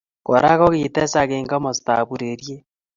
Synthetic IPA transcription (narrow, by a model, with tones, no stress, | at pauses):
ko˨ɾa˦ɣɔ˦ɣiːte˦sa˨ɣeː˨ŋɡa˦mo˨sta̰˨βu˨ɾeɾje˦